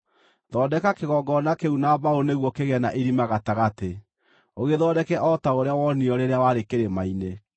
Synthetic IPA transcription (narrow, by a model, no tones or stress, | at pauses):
ðɔdɛkakeɣɔɡɔnakeunaβaoneɣwɔkeɣɛnaʔeɾimaɣataɣate | oɣeðɔdɛkɛʔɔtaoɾeawɔniɔɾeɾeawaɾekeɾemaine